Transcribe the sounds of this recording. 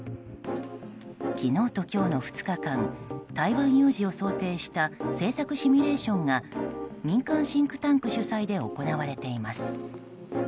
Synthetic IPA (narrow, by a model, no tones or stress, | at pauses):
kʲino̞ːt̪o̞kʲo̞ːno̞ɸɯ̟̥t͡sɨ̥kakãnt̪aiβãɰ̃jɯ̟ːʑio̞so̞ːt̪e̞ːɕi̥t̪ase̞ːsakɯ̟ɕimʲiɾe̞ːɕõ̞ŋɡamʲĩŋkãɰ̃ɕĩŋkɯ̟̥t̪ãŋkɯ̟ɕɨsaid̪e̞o̞ko̞naβaɾe̞t̪e̞imasɨ̥